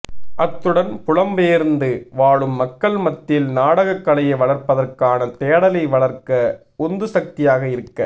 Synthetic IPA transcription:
ʔɐt̪ːɯɽɐnpʊɻɐmbeːɾnd̪ɯʋaːɭɯmːɐkːɐɭmɐt̪ːɪlnaːɽɐɣɐkːɐɭɐjɐʋɐɭɐɾpɐðɐrkaːnɐt̪eːɐɽɐlɐɪʋɐɭɐɾkɐ | ɔnd̪ɯsɐk̚t̪ɪjaːɣɐɪɾɯkːɐ

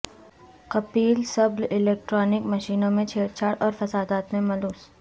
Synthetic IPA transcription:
kɐpiːlsɐblɪleːk̚ʈɾɔːnɪkmɐʃiːnõmẽt͡ʃʰeːɾt͡ʃʰaːɽɔːɾfɐsaːd̪aːt̪mẽmɐluːs

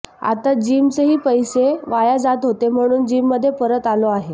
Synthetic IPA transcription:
a̰t̪ad͡ʑimt͡seɦiːpəjseʋajad͡zat̪ɦot̪em̤əɽ̃uːnd͡ʑimːəd̪ʱːjepəɾət̪aloaɦe

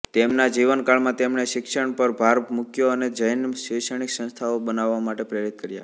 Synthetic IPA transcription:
t̪emnad͡ʒiʋənkaɭmãt̪emɳeʃɪkʃəɳpəɾbʱaɾmʊkjoəned͡ʒəjnʃeʃəɳ̃iksə̃nst̪ʰaobənaʋːamaʈepɾəjɾit̪̚kəɾja̰

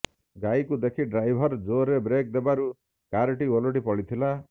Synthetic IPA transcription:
ɡajkud̪ekʰiɖɾajbʱɔɾd͡ʒoɾebɾek̚d̪ebaɾu | kaɾʈioloʈ̬ipɔɭit̪ʰila

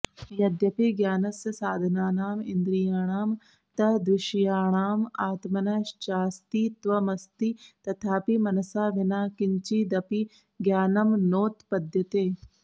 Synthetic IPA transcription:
jɐd̪jɐpiɡjaːnɐsjɐsaːd̪ʱɐnaːnaːmɪnd̪ɾijaːɽ̃aːm | t̪ɐd̪ɾɪʃjaːɳ̃aːmaːt̪mɐnɐʃt͡ʃaːst̪iːt̪ʋɐmɐst̪it̪ɐt̪ʰaːpimɐnɐsaːʋɪnaːkɪɲt͡ʃid̪ɐpi | ɡjaːnɐmnoːt̪pɐd̪ʱjɐt̪eː

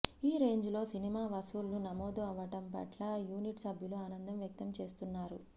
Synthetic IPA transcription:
iːɾe̞ːɲd͡ʒlo̞ːsinimaːʋɐsuːlnunɐmoːd̪uɐʋɐʈɐmpɐ̰ʈlɐjuːniʈsɐbʱjuluaːnɐnd̪ɐmjɐk̚t̪ɐmt͡ʃe̞ːst̪unːaːɾu

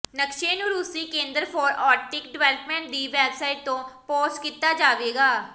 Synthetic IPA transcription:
nəkʃeːnuːɾʊsiːkẽːnd̪əɾpʰɔːɾaːʈɪk̚ɖʋɛːlkmɛ̃ːɳʈ̚d̪iːʋɛːbsaːɪʈ̚t̪õːpoːskiːt̪ːaːd͡ʒaːʋeːɡaː

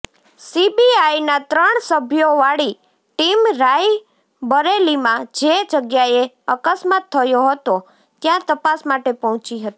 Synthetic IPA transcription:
sibiajnat̪ɾəɳsəbʱjoʋaɽi | ʈimɾaj | bəɾelimãd͡ʒed͡ʒəɡjae | əkəsmat̪ʰːəjoɦət̪o | t̪jãt̪əpasmaʈepɔɦɔ̃t͡ʃiɦət̪i

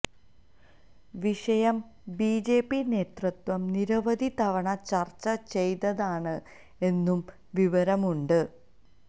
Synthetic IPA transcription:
ʋiʂɐjɐmbiːd͡ʑe̞ːpːine̞ːt̪rɐt̪wɐmniɾɐʋɐd̪ʱit̪ɐʋɐɳɐt͡ɕɐrt͡ɕːɐt͡ɕe̞jt̪ɐðaːɳɨ | e̞nːum | ʋiʋɐɾɐmuɳɖɨ

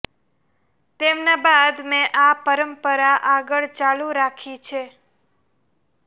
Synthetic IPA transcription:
t̪emnabad̪mẽʔapəɾəmpəɾaʔaɡəɭt͡ʃaluɾakʰit͡ʃʰe

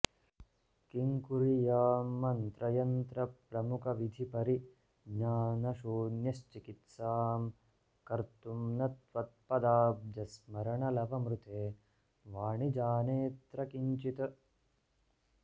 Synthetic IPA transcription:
kiŋkuɾijaːmːɐnt̪ɾɐjɐnt̪ɾɐpɾɐmukʰɐʋid̪ʱipɐɾi | ɡɲaːnɐʃuːnjɐst͡ʃikit̪saːm | kɐɾt̪umnɐt̪ʋɐt̪̚pɐd̪aːp̚d͡ʒɐsmɐɾɐɳɐlɐʋɐmɾut̪eː | ʋaːɳid͡ʒaːneːt̪ɾɐkiɲt͡ʃit̪ɐ

